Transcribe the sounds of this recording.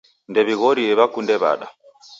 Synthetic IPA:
ndɛβiɣɔɾiɛβakundɛβa̰ɗa

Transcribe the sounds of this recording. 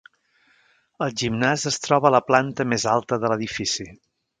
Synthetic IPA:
əlˠʒimnazəst̪ɾɔβələplant̪əmezalˠt̪əðələðifisi

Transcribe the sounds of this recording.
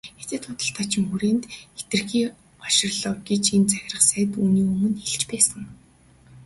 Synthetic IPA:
et͡seːt̪ʰʊt̪ə̆ɬt̪ʰaːt͡ɕʰɪ̆mxuɾeːnt̪et̪ɘ̆rxiː | ɔʃɪ̆r̆ɮɔːwɡet͡ɕent͡sæxʲɪ̆rə̆χsæːt̪uːniːɵmɵ̆neɮt͡ɕpæːsə̆ŋ

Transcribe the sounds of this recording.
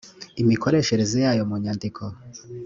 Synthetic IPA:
imiko̞ɾe̞ʃe̞ɾezejaːjomuɲandikʰo

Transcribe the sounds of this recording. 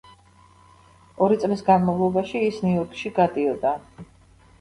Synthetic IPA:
ɔɾit̪sʼlisɡanmavlˠɔbaʃiːsniɔɾkʰʼʃiɡad̪iɔd̪a

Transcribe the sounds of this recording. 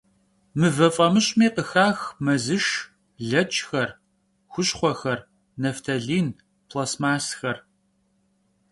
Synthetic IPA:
mɨvɐfʼɐmɨɕʼmiːqəxaːxmɐzɨʃ | ɮɐt͡ʃʰʼxɐr | xʷʊɕχʷɔxɐr | nɐftʰɐɮiːn | pʰlɐsmaːsxɐr

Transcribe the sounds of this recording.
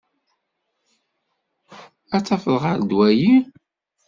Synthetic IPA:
æt͡sːɑfələʁəɾd̪wæji

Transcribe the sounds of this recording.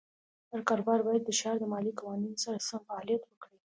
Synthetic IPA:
haɾkɑɾobɑɾbɑjad̪ːəʃɑɾd̪əmɑlikawɑninsaɾasamfaːlijat̪wəkɽi

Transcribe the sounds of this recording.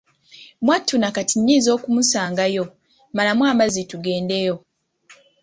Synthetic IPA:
mwatʰːunakatinːiːzo̞ːkumusaːŋɡajo̞ | malamwaːmazituɡe̞ːnde̞jo̞

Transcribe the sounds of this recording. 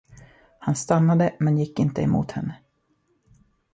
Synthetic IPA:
hanst̪anːad̪əmɛnjɪkːɪnt̪əɛmṵːt̪hɛnːə

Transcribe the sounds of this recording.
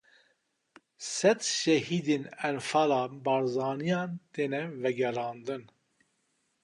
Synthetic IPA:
sɛt̪ʃɛhiːd̪eːnɛnfɑːlɑːbɑːɾzɑːnijɑːnt̪eːnɛvɛɡɛɾɑːnd̪ɨn

